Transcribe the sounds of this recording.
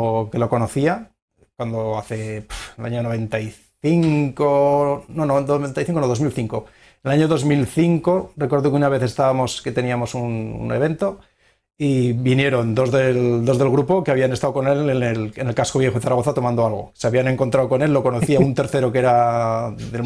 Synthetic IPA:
ke̞lo̞ko̞noθia | kwand̪oaθepelaɲonoβ̞e̞nt̪aj | θiŋkononod̪oβent̪ajθiŋkonoðo̞zmilθiŋko̞ | enelaɲoðo̞zmilθiŋko̞rekwe̞ɾðokeunaβ̞e̞θe̞st̪aβamo̞ske̞t̪e̞niamo̞sunṵne̞βe̞nt̪o̞ | iβinje̞ɾo̞nd̪o̞zðeld̪o̞zðe̞lɣɾupo̞keaβ̞iane̞st̪awko̞ne̞lenelene̞lkasko̞β̞je̞xoeθaɾaɣo̞θat̪o̞mãnd̪oalɣo̞̰seaβiane̞ŋko̞nt̪ɾawko̞ne̞lːo̞ko̞noθθiaunt̪e̞ɾθe̞ɾo̞ke̞ɾa | ðe

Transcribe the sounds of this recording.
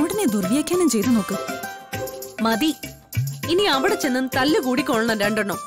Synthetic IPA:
ɐʋɽɐned̪urʋijaːkʲːaːnɐmt͡ɕe̞jt̪uno̞ːkːɨ | mɐd̪i | iniɐʋiɽet͡ɕːenːunt̪ɐlːɨkuːɽikʲːoɭɐɳɐmɾeːɳɖɐɳːoː

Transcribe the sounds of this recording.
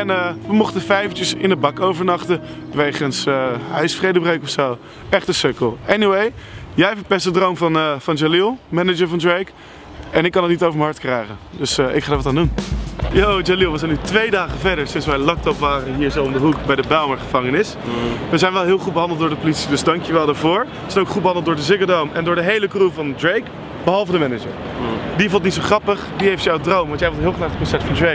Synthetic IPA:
ɛnəʋəmɔχtəfɛjvətəsɪnəbɑkowvəɹnɑχtəʋejχənsəɦœ̰ɥsfrejdəbreɥkɔfsow | ɛχtəsøkəlˠɛniwejjɛjfəpɛstədrowmvɑnvɑnd͡ʒalilˠmɛnəd͡ʒəɹvɑndɹejk | ɛnɪkːɑnətnitowvəɹmənɦɑɹtkrɛjχəndɵsʔɪkχaːdaːɹʋɑtaːndunjod͡ʒalilˠʋəzɛjnːytʋejdaːχəvɛɹdəɹsɪnsʋɛjlɑk̚tɔpʋaːrənɦiːɹzowndəɦukbɛjdəbɛlməɹχəvɑŋənɪs | ʋəzɛjnʋɛlˠɦɪːlˠχut̚bəɦɑndəlˠtdʊːɹdəpolitsidɵzdɑŋkjəʋɛlˠdaːɹvʊːɹ | əzɛjnoʊkχutbəɦɑndəlˠtdʊːɹdəzɪkədowmʔɛndʊːɹdəɦejləkruvɑndrejk | bəɦɑlˠvədəmɛnəd͡ʒəɹ | divɔlˠtnitsowχrɑpəχdiɦejftjɑwdrowmʋɑntjɛjʋolˠtɦɪːlˠχənaːχət̚kɔnsɛtfɑndre

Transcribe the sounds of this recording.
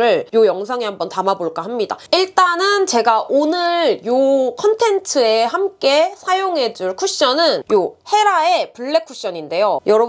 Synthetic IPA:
ɾɯɭjojʌŋsʰaŋiɦambʌntamaboɭk͈aɦamɲida̰iɭt͈anɯnt͡ɕe̞ɡaʔonɯɭjokʰʌntʰe̞ntʰɯehamk͈e̞sʰajoŋɦe̞d͡ʑuɭkʰuɕ͈ʌnɯnjohe̞ɾae̞puɭːe̞kʰuɕ͈ʌɲinde̞jojʌɾʌ

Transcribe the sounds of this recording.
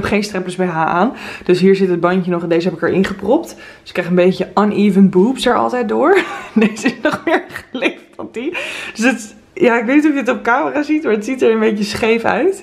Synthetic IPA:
ɛpχejnstrɛmpələzbɛjɦaːʔaːnd̥ɵsɦiːɹzɪtɦəd̚bɑncənɔχɛndejzəɦɛpɪkəɹʔɪ̰nχəprɔptdsɪkrɛjχənbejçəʔənʔiːvənbupsɛɹɑ̰lˠtɛjt̚dʊːɹnesɪnɔχmɪːɹχəleffɑntid̥øsət | jaːɪkʋejtnitɔfjədətɔp̚kaːməraːzitmaɹətsitəɹənbejcəsχejfœ̰ɥt

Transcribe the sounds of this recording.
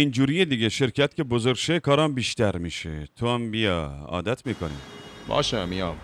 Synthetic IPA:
ind͡ʒuːɾijed̪iɡeʃe̞ɾcʰæt̪cʰʲe̞bozoɾɡʲʃekʰɒːɾɒmbiːʃt̪æɾmiːʃḛt̪ʰoæmbijɒɒ̰ːd̪æt̪ʰmiːkʰonḭmbɒ̰ːʃæmijɒm

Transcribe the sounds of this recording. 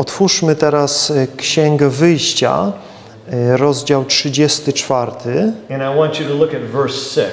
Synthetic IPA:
ɔt̪fuʂmɘt̪ɛɾaskɕɛŋɡɛvɘjɕt͡ɕa̰ | ɾɔzd͡ʑawtʂɘd͡ʑɛst̪ɘt͡ʂfaɾt̪ʰɘɨ̃ñajwɑ̃nt͡ʃɨɾəlʊkɨtvɜ˞sɪ

